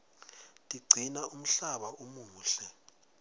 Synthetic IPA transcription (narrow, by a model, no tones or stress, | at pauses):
tʼiɡ͡ǀʱinaum̩ɬaɓaumuːɬɛ